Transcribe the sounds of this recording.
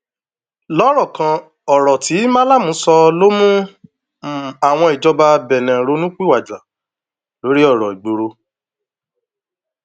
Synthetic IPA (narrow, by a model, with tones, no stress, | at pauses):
lɔ˨˦ɾɔ˦˨kã˧ | ɔ˨ɾɔ˨ti˨˦mã˦la˦˨mũ˨˦sɔ˧lo˦mũ˦˨ | a˨w̃ɔ̃˧i˨d͡ʒɔ˧ba˧bɛ˨nɛ̃˨ɾo˧nũ˦k͡pi˦wa˨d͡ʒa˨ | lo˨˦ɾi˦ɔ˦˨ɾɔ˨i˨ɡ͡bo˨ɾo˧